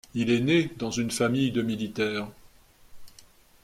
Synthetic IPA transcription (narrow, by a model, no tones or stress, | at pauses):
ilɛned̪ɑ̃zynfamijd̪əmilit̪ɛːʁ